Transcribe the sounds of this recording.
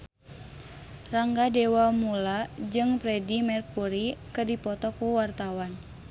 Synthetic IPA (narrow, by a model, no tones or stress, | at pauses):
raŋɡadewamulad͡ʒɨŋpɾɛdimɛrkuɾikɨrdipɔt̪ɔkuwart̪awan